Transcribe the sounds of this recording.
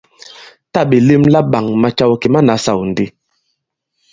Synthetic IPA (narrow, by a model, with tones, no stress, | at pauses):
ta˦˨ɓi˨li˦mla˦ɓa˨ŋma˨t͡ʃa˦wki˨ma˦na˨˦sa˨wn˨di˦